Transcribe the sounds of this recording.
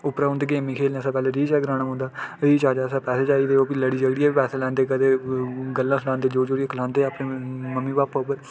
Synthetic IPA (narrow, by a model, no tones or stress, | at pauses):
ʊpɾaːʊ̃nd̪eɡeːmiːkʰeːl̃ːsãːpɛːleːɾiːt͡ʃɛːɡɾãːñaːɦʊ̃nd̪aːɾiːt͡ʃaːd͡ʒaːsãːpɛːseːd͡ʒaːiːd̪eːoːbiləɽiːd͡ʒəɡɽijaːbiːpɛːseːlɛ̃ːnd̪eːkəd̪eːɡəlːãːsəɽãːnd̪eːd͡ʒoːd͡ʒoːɽijaːkəlãːnd̪eːaːpɽẽːməmːiːbaːboːbəɾ